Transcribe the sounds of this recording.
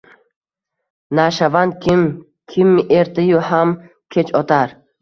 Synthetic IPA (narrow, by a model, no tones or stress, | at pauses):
naʃavand̪̚kim | kʰimːiʔeɾt̪ijuham | kʰet͡ʃɔt̪ʰaɾ